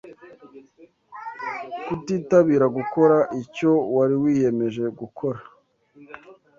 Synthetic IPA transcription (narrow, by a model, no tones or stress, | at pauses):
kutiːtaβiːɾaɡuko̞ɾaʔico̞waɾiwiːje̞me̞ʒe̞ɡukʰo̞ɾa